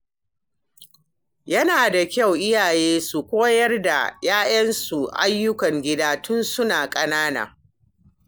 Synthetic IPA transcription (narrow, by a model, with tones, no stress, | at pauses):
jɐ˦naː˨da˨kʲa˦˨wʔɪ˦jaː˨jeː˦su˨kʷoː˦jɐ˦rda̰˨jaː˦jɐ˦nsu˨ʔa̰˦jːʊ˦kɐ˨ŋɡʲɪ˦daː˦tʊ˦nsʊ˦naː˨kʼɐ˦naː˦na̰ː˨